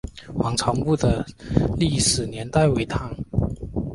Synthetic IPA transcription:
xwɑ˧˥ŋʈ͡ʂʰɑ˧˥ŋpu˥˩d̪ə˩li˥˩ʂɻ̩˨˩njɛ˧˥nt̪a˥˩ɪwe˧˥ɪt̪ʰɑ˥˩˦ŋ

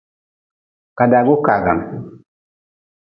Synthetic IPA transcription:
ka˨da˨ɡu˦ka˨ɡa̰˨m

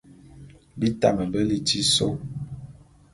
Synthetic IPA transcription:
bi˦ta˦˨mə˨bə˦li˨ti˦so˦

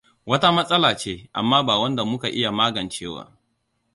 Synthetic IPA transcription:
wɐ˦ta˦mɐ˦sʼɐ˦laː˨t͡ʃeː˦ʔa̰˨mːaː˦baː˨wɐ˦nda˨mʊ˦ka˨ʔɪ˦ja˨maː˦ɡɐ˨nt͡ʃeː˦wa̰ː˦

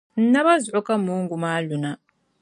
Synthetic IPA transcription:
n̩˦na˦βa˦zɔ˦kʼa˦mu˦ŋɡu˨ma˦lu˨na˨

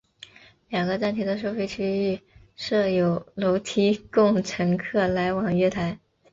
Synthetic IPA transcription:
ljɑ˨˩ŋɡə˧˦t͡sa˥nt̪ʰi˧˥d̪ə˧ʂo˥˧ʊfe˥˩ɪt͡ɕʰy˥y˥˧ | ʂɤ˥˩jo˨˩ʊlo˧˥ʊt̪ʰi˥kʊ˥˩ŋʈ͡ʂʰɤ˧˥ŋkʰɤ˥˩la˧˥ɪwɑ˨˩ŋɥɛ˥˩t̪ʰa˧˥ɪ

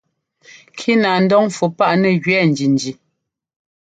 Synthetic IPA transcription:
kʰi˦na˨n̩˦dɔ˦ŋ˨fu˨pa˦˨ʔnɛ˨ɣɥɛ˦n̩˨d͡ʒi˨n˨d͡ʒi˨

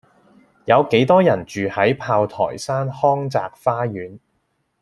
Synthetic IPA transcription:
jɐ˨˧wke˨˥jt̪ɔː˥jɐ˨˩nt͡ʃyː˨hɐ˨˥jpʰaː˧wt̪ʰɔ̰ː˨˩jsaː˥nhɔː˥ŋt͡sa̰ː˧k̚faː˥ɥyː˨˥n

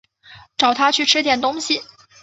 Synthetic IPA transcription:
ʈ͡ʂɑ˨˩ʊt̪ʰa˥t͡ɕʰy˥˩ʈ͡ʂʰɻ̩˥t̪jɛ˨˩nt̪ʊ˥ŋɕi˨˩

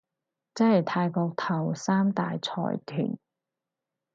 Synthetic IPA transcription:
t͡sɐ˥hɐ˨˩jt̪ʰaː˧jkɔː˧k̚t̪ʰɐ˨˩wsaː˥mt̪aː˨jt͡sʰɔ̰ː˨˩jt̪ʰy̰ː˨˩n

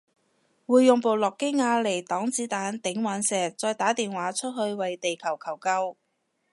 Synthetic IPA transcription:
wuː˨jːʊ˨ŋpo˨wlɔː˨kːɪ˥ŋŋaː˧le˨˩jt̪ɔː˨˥ŋt͡siː˨˥t̪aː˨˥nt̪ɪ˨˧˥ŋwaː˨˥nsɛː˨t͡sɔː˧jt̪aː˨˥t̪iː˨nwaː˨˥t͡ʃʰɵ˥t̚hɵ˧ɥwɐ˨jt̪e˨jkʰɐ˨˩wkʰɐ˨˩wkɐ˥w

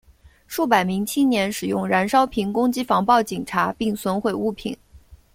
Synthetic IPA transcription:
ʂu˥˩pa˨˩ɪmi˧˥ŋt͡ɕʰi˥nnjɛ˧˥nʂɻ̩˨˩jʊ˥˩ŋɻa˧˥nʂɑ˥ʊpʰi˧˥ŋkʊ˥ŋt͡ɕi˥fɑ˧˥ŋpɑ˥˩ʊt͡ɕi˨˩ŋʈ͡ʂʰa˧˥pi˥˩ŋswə˧˥nxwe˨˩ɪu˥˩pʰḭ˨˩˦n

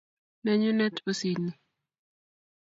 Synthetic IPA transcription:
nɛ˦ɲu˦nɛ˦to˦si˨ni˨

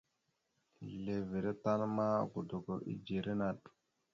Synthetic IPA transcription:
le˨vi˨ɾe˦ta˦n˦ma˦ɡu˨do˨ɡo˨ʔḭ˦d͡ʒi˨ɾe˦na˨ɗ

